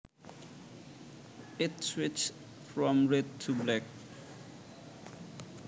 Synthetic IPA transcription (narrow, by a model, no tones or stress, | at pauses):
ɪtswit͡ʃ | fɹɔ̃mɹɛd̚tʰublɛk